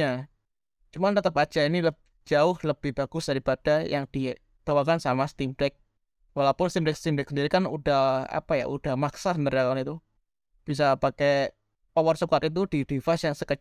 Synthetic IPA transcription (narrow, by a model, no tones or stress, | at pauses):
a | t͡ʃumant̪ət̪əbat͡ʃaini | d͡ʒaʊhləb̥ɪhb̥aɡ̥ʊsd̥aɾipad̥ajaŋd̥i | t̪əwalkansamast̪imdɛk̚ | walapʊnst̪imdɛk̚sə̥t̪imdɛksəndiɾikanudaha̰paja̰ʔṵd̥ahmaksasənt̪aɾjakanit̪u | b̥is̬apake | pawarsukat̪it̪̬udidifasjaŋsəkə